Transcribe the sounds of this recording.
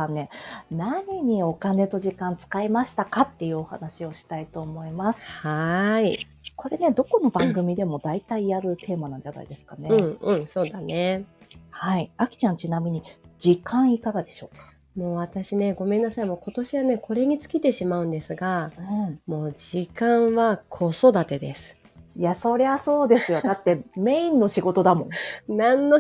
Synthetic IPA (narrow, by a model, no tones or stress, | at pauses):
anːe̞naɲ̟iɲ̟io̞kane̞t̪o̞ʑikãnt͡sɨ̥kaimaɕi̥t̪akat̪ːe̞jɯ̟ːo̞ha̰naɕio̞ɕi̥t̪ait̪o̞ːmo̞imasɨ̥hai | ko̞ɾe̞ne̞d̪o̞ko̞no̞bãŋɡɯ̟mʲid̪e̞mo̞d̪ait̪aijaɾɯ̟t̪ʰe̞ːmanãɲ̟d͡ʑana̰ḭd̪e̞sɨ̥kane̞ɯ̟̃ɴɯ̟̃ɴso̞ːd̪ane̞haiakʲi̥t͡ɕãɲ̟t͡ɕinamʲiɲ̟id͡ʑikãɰ̃ikaɡad̪e̞ɕo̞ːkḁ | moːβat̪aɕine̞ɡo̞me̞nːasaimo̞ːko̞t̪o̞ɕiβane̞kʰo̞ɾe̞ɲ̟it͡sɨ̥kʲit̪e̞ɕimaɯ̟̃nd̪e̞sɨɡaɯ̟̃ɴmo̞ːd͡ʑikãɰ̃βakʰo̞so̞d̪at̪e̞d̪e̞sɨ̥ | jaso̞ɾe̞βaso̞ːd̪e̞sɨjo̞d̪at̪ːe̞me̞ĩnːo̞ɕiɡo̞t̪o̞d̪amõ̞ŋnãnːo